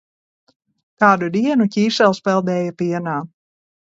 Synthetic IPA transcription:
kaːd̪ud̪iɛnucʲiːʃɛlˠspɛlˠd̪ɛːjɐpiɛnaː

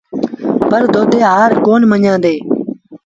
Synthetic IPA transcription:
pəɾd̪ʱoːd̪eːɦaːɾkoːnməɲãːd̪eː

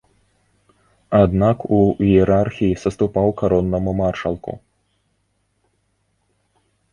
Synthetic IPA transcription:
ad̪nakuɛɾarxʲijisɐst̪upawkaɾɔnːɐmumarʂɐlˠkṵ

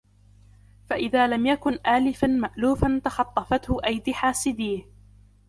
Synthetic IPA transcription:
faʔɪðaːlamjakʊnʔaːlɪfanmaʔluːfant̪ɑxɑt̪ˤːɑfɑt̪hʊʔajd̪ɪħaːsɪd̪iːh

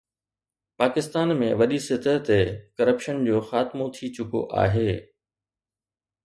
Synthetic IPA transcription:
paːkɪst̪aːnmẽʋɐɗisɪt̪ət̪ekɐɾəpʃənd͡ʑoːxaːt̪ɪmõt̪ʰit͡ɕʊko̰ʔa̰ːɦeː

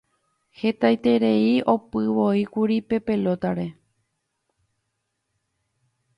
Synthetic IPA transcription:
he̞t̪ajt̪e̞ɾe̞iʔo̞pɨʋo̞ikuɾipe̞pe̞lo̞t̪aɾe̞

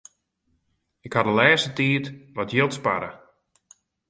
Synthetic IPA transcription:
ɪkhadəlɛːsətiətʋɔtjɪlˠtspa̰ɾə

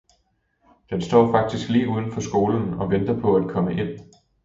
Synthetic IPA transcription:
d̥ensd̥ɒ̰ːfɑ̈ɡ̥̚d̥isɡ̥liːʔuːðˠən̩fɒ̽sɡ̥o̝ːln̩ɒ̽ʋend̥ɐpʰɒ̽æd̥̚kʰɒ̽məʔe̝n̰

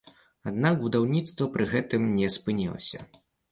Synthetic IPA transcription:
ad̪naɡbud̪awnʲit̪st̪vɐpɾɨɣɛt̪ɨmnʲɛspɨnʲɛlˠɐ̰sʲɐ̰

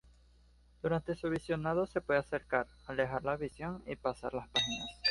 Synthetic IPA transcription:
d̪̥uɾant̪e̞suβisjo̞naðo̞se̞pweðease̞ɾkaɾ | ale̞xaɾlaβisjo̞ŋḭpasaɾlaspaxinas

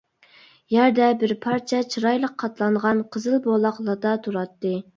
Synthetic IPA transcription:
jæɾd̪ɛbɪɾpʰɑɾt͡ʃʰɛt͡ʃʰɨɾɑjlˠəqʰːɑt̪lˠɑɴʁɑnqʰəzɨlˠbolˠɑχlˠɑd̪ɑt̪ʰuɾɑt̪ːɨ

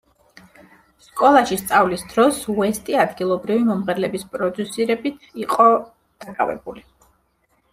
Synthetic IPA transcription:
skʼɔlˠaʃist̪sʼavlisd̪̥ɾɔsuɛst̪ʼiad̪ɡilˠɔbɾivimɔmʁɛɾlɛbispʼɾɔd̪usiɾɛbit̪ʰiqʼɔ | d̪̥akʼa̰vɛ̰buli

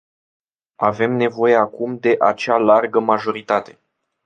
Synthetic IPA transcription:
ave̞mne̞vo̞je̞akumd̪e̞ʔat͡ʃealarɡəmaʒo̞ɾit̪at̪e̞̥

